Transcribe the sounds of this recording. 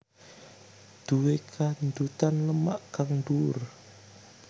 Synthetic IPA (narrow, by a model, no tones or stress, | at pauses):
d̪̥uwekʰand̪ut̪anləma̰ʔkaŋɳɖur